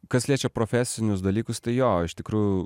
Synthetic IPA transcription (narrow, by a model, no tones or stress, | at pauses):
kɐslʲiɛt͡ʃʲɛpɾoːfʲæsʲɪnʲʊsd̪ɐlʲiːkʊst̪ɐɪjoːɪʃt̪ʲɪkɾuːjʊ